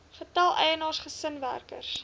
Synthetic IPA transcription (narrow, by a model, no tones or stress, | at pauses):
χətælˠʔɛjənɑːrsχəsənvæ̰rkə̰rs